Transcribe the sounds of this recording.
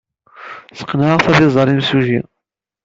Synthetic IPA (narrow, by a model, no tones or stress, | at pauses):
sə̥qːnaʁθæðizˤəɾˤimsuʒi